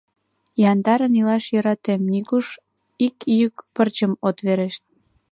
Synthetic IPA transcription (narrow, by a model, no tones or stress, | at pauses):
jɑnd̪ɑɾənilɑʃjəɾɑt̪emnikuʃ | ikjykpərt͡ɕəmot̪βeɾeʃt̪̚